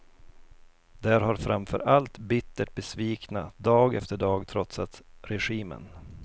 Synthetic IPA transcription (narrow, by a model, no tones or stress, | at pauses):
d̪æɾhaɾfɾamfœ̰ɾʔalt̪bɪt̪ːəʈ̚bɛsviːknad̪ɑːɡɛ̰ft̪əɖɑːɡt̪ʰɾɔt̪sat̪ɾɛɧiːmə̰n